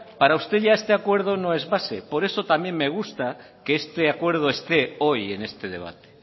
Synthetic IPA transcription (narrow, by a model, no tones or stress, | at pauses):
paɾaust̪e̞ʝaest̪eakwe̞ɾðonõezβasepo̞ɾe̞sot̪amje̞ŋmeɣ̞ust̪a | keest̪eakwe̞ɾð̞oest̪eojenest̪eð̞e̞̰β̞a̰t̪e̥